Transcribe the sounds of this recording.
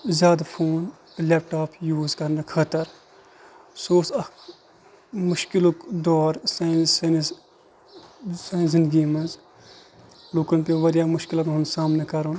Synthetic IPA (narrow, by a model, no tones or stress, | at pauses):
zjaːd̪apʰoːn | leːp̚ʈaːpʰjuːzkɐɾnɐkʰɐt̪əɾ | soːsɐ | mʊʃkɪlukd̪ɔːɾsann | saːjnzɪnd̪ɡiːmɐnz | luːkɐnpeʋɐɾjamʊʃkɪlɐɾɐnsaːmnekɐɾun